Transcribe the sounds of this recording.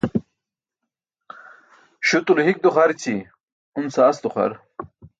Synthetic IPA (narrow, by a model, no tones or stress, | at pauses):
ɕut̪ulɦik̚d̪uχaɾt͡ɕʰi | unsaːsd̪uχa̰ɾ